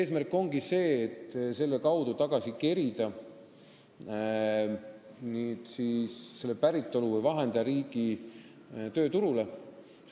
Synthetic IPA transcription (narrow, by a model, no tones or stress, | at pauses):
eːsmærkːˑo̞ŋɡ̥ise̞ːt̪ːse̞lːe̞kɑwd̪ut̪ɑɡ̥ɑsike̞ɾid̪̥ɑ | niːt̪siːsse̞lːe̞pæɾit̪ˑːo̞luvɯjvɑɦe̞nd̪̥ɑɾiːɡ̥i | t̪øːt̪uɾule̞